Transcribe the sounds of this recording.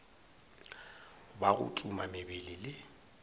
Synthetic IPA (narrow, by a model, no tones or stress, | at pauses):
baɣʊ̰tʼumamɪbilɪlɪ